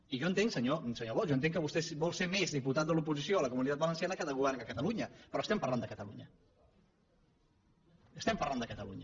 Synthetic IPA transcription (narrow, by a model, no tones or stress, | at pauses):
iʒɔənt̪eŋksəɲosəɲoβɔjoənt̪eŋkəβust̪ɛsbɔlˠseɾmezðiput̪at̪̚d̪əlupuzisioələkumunit̪at̪bələnsianəkaðəɣuβɛɾrŋəkət̪əluɲəpɾɔəst̪ɛmpəɾland̪əkət̪əluɲə | əst̪ɛmpərland̪əkət̪əlṵɲə